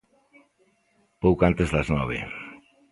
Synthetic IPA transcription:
powkant̪ezðaznɔβ̞ḛ

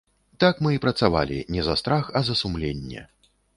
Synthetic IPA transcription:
t̪akmɨipɾɐt̪sava̰lʲḭnʲɛzɐst̪ɾaxɐzɐsumlʲenʲːɛ̰

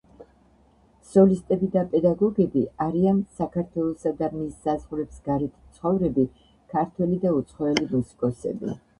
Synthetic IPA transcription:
sɔlist̪ʼɛbid̪apʼɛd̪aɡɔɡɛbiaɾiansakʰaɾt̪ʰwɛlˠɔsad̪amisːazʁlɛpsɡ̥aɾɛt̪ʰi̥t̪sχɔvɾɛbi | kʰaɾt̪ʰwɛlid̪aut̪sʰχɔɛlimusi̥kʼɔsɛ̰bḭ

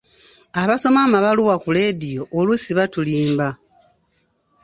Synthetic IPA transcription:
aβaso̞mamaβaluwakule̞dijo̞olusiβatuliːmba

